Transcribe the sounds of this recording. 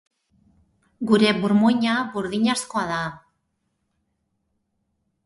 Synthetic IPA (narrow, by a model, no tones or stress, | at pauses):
ɡuɾe̞βuɾmojɲaβuɾðiɲaskoaða